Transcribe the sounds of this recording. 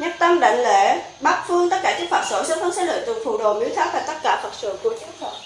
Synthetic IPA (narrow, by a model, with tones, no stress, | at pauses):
ɲə˦˥p̚t̪ə˧mɗa̰˧˨jŋ̟le˧˩ | ɓaː˦˥k̚fɨ˧əŋt̪ə˦˥t̚kaː˧˩t͡ɕɨ˦˥k̚fwaː˨˩t̚so˧˩səː˨˦˥t̪ʰə˨˦ŋ͡msaː˧˥lə̰ː˧˨t̪ɨ̰˧˨ŋfṵ˧˩ɗo˨˩mi˨˦t̪ʰaː˨˦˥t̪̚aː˨˩t̪ə˦˥t̚kaː˧˩fʰə˨˩t̚sɨ̰˧˨ku˧˩ət͡ɕɨ˨˦˥k̚fə˨˩